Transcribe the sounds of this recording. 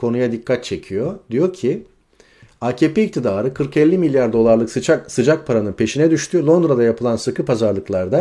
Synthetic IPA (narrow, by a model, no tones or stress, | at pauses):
kʰo̞nujad̪ikʰːat̪̚t͡ʃʰe̞cʰijo̞d̪ijo̞cʰi | acepeic̚t̪ʰid̪aːɾɯkʰɯɾkɛlʲːimilʲjaɾd̪o̞lˠaɾlˠɯkt͡ʃasɯd͡ʒak̚pʰaɾanɯnpʰe̞ʃinɛd̪yʃt̪ʰylˠo̞nd̪ɾad̪ajapʰɯlˠansɯkɯpazaɾlˠɯklˠaɾd̪a